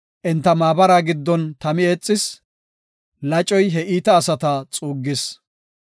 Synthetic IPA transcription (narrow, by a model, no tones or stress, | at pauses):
ʔɛnt̪ːɐmaːbɐɾaːɡɪd̪ːɔnt̪ɐmɪet͡sʼːɪs | lɐt͡ʃʼɔjɦɛiːt̪ɐːsɐt̪ɐt͡sʼuːɡːɪs